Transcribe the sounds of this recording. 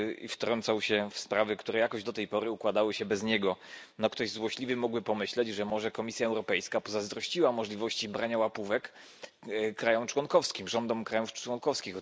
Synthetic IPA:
ḭft̪ɾɔnt̪sawɕɛfspɾavɘkt̪uɾɛjakɔʑd̪ɔt̪ɛjpɔɾɘukwad̪awɘɕɛbɛzɲɛɡɔnɔkt̪ɔʑzwɔɕlʲivɘmɔɡwɘpɔmɘɕlɛd͡ʑʐɛmɔʐɛkɔmʲisjaɛwɾɔpɛjskapɔzazd̪ɾɔɕt͡ɕiwamɔʐlʲivɔɕt͡ɕibɾaɲawapuvɛk | kːɾajɔmt͡ʂwɔŋkɔfskʲimʐɔnd̪ɔmkɾajufwɔŋkɔfskʲix

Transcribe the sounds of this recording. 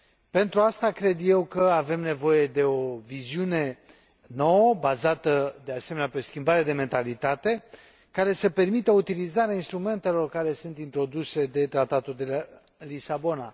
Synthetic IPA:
pe̞nt̪ɾuast̪akɾe̞d̪je̞wkəave̞mne̞vo̞je̞d̪e̞o̞viziune̞ | no̞wəbazat̪əd̪e̞ase̞meneapeo̞skʲimbaɾe̞d̪e̞me̞nt̪alit̪at̪e̞ | kaɾe̞səpe̞rmit̪əut̪ilizaɾeainst̪ɾume̞nt̪e̞lo̞rkaɾe̞sunt̪int̪ɾo̞d̪use̞d̪e̞t̪ɾat̪at̪uld̪ela | lisabo̞na

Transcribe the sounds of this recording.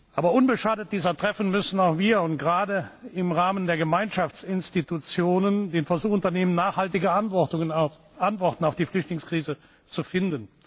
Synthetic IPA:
ʔaːbɐʔʊnbəʃaːdət̚d̥iːzɐtʁ̥ɛfn̩mʏsn̩aʊxv̥iːɐʊntɡ̥ʁaːdəɪmʁaːməndeːɐɡəmaɪnʃaft͡sɪnstitut͡sjoːnəndeːnfɛɐzuːxʊntɐneːmənːaːχhaltɪɡə | ʔantv̥ɔʁtn̩aʊfd̥iːflʏçtlɪŋskʁ̥iːzə | t͡sufɪndən

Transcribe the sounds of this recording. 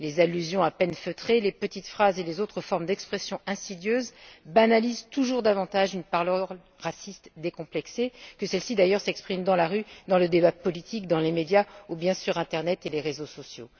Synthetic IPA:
lezalːyzjɔ̃apɛnføt̪χelepət̪it̪fχazelezot̪χəfɔʁmd̪ɛkspχɛsjɔ̃ʔɛ̃sid̪jøzbanalizt̪uʒuʁd̪avɑ̃t̪aʒynpaʁløʁ | ʁasist̪d̪ekɔ̃plɛksekəsɛlsid̪ajœʁsɛkspχimd̪ɑ̃laʁyd̪ɑ̃ləd̪ebapɔlit̪ik̚d̪ɑ̃lemed̪jaubjɛ̃syʁɛ̃t̪ɛʁnɛt̪eleʁezosɔsjo̰

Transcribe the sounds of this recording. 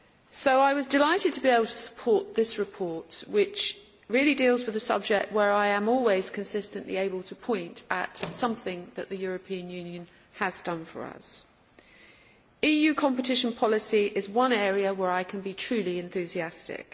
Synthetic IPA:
soʊaɪwɒzdɪlaɪtɨd̚tʰəbieɪbl̩ˠtʰə̥sə̥pʰɔˑʔ̪̚ðɪsɹɪpʰɔɹtwɪt͡ʃ | ɹɪəlidilˠzwɨðəsʌ̰b̚d͡ʒɛk̚t̚wə˞aɪə̃mɔlˠwiz̥kʰə̃nsɪstə̃nʔlḭeɪbəlˠtʰəpʰɔ̃ɪ̃ntʰə̰tsʌ̃mθɪ̃ŋðɨʔ̚ðɨjʊɹəpʰĩə̃njʉ̃njɨ̃n | əzdʌ̃nfə̰˞ʌ̰s | iːjʉːkʰɒ̃mpətʰɪʃə̃npʰɒlˠɪsiʔɪzwʌ̃nɛːɹiəwəɹaɪkʰə̃nbitʰɹ̥ʉliɨ̃nθʉziæstɪ̰k

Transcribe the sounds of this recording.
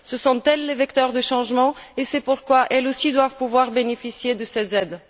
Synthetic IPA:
səsɔ̃t̪ɛlːevɛkt̪œʁd̪əʃɑ̃ʒmɑ̃esɛpuʁkwaʔɛlosid̪wavpuvwaʁbenefisjed̪əsɛzɛd̪

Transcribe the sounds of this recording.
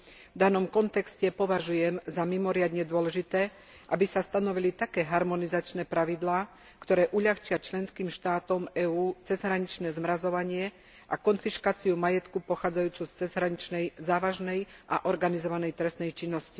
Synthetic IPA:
vd̪anɔmkɔnt̪ɛkscɛpɔʋaʒujɛmzamimɔɾɪad̪ɲɛd̪ʊɔlɛʒit̪ɛː | ʔabisast̪anɔʋilit̪akɛːɦaɾmɔnizat͡ʃnɛːpɾaʋid̪laː | kt̪ɔɾɛːʔuʎaxt͡ʃɪat͡ʃlɛnskiːmʃt̪aːt̪ɔmɛːuːt͡sɛzɦɾaɲit͡ʃnɛːzmɾazɔʋaɲɪɛ | ʔakɔnfiʃkaːt͡siumajɛt̪kupɔxaːd͡zajuːt͡sust͡sɛzɦɾaɲit͡ʃnɛjzaːʋaʒnɛj | ʔaʔɔɾɡanizɔʋanɛjt̪ɾɛsnɛjt͡ʃinːɔsci

